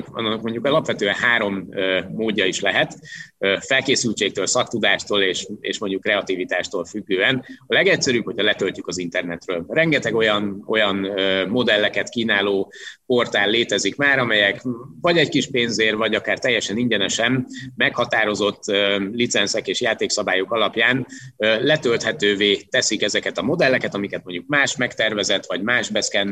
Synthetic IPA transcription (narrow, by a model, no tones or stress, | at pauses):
kɒ̰nːɒkmo̞ɲɟukɒlɒpʋɛt̪øːɛnɦaːɾo̞møːoːɟːɒiʃlɛɦɛt̪øfɛlkeːsylt͡ʃeːk̚t̪øːlsɒk̚t̪ud̪aːʃt̪oːleːʃḛːʃmo̞ɲɟukːrɛɒt̪ivit̪aːʃt̪oːlfyɡːøːɛnɒlɛɡɛcsɛɾyːphocʰhɒlɛt̪øltykɒzint̪ɛrnɛt̪røːlrɛŋɡɛt̪ɛɡo̞jɒno̞jɒnømo̞d̪ɛlːɛkɛt̪kiːnaːloːpo̞rt̪aːlːeːt̪ɛzikmaːɾɒmɛjɛkvɒɟɛckiʃpeːnzeːrvɒɟɒkaːrt̪ɛjːɛʃɛniɲɟɛnɛʃɛmːɛkhɒt̪aːɾo̞zo̞t̪ːølit̪sɛnsɛkeːʃjaːt̪eːksɒbaːjokɒlɒpjaːnølɛt̪ølt̪hɛt̪øːveːt̪ɛsikɛzɛkɛt̪ɒmo̞d̪ɛlːɛkɛt̪ɒmikɛt̪̚mo̞ɲɟukmaːʃmɛkt̪ɛrvɛzɛt̪ʋɒɟmaːʒbɛskɛn